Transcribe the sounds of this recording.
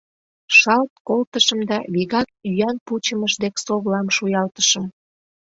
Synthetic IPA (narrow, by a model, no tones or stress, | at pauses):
ʃɑlt̪kolt̪əʃəmd̪ɑβiɣɑk̚yjɑnput͡ɕəməʃd̪eksoβlɑmʃujɑlt̪ə̥ʃəm